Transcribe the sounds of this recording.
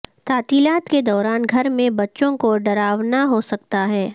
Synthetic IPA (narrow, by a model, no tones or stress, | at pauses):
t̪aːt̪iːlaːt̪ked̪ɔːɾaːnɡʱɐɾmẽbɐtːʃõkoɖɐɾaːʋnaɦosɐk̚t̪aɦɛː